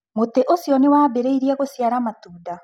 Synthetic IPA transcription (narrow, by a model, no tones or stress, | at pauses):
moteʔosjɔnewaːbeɾeiɾiɛɣosjaɾamatuːda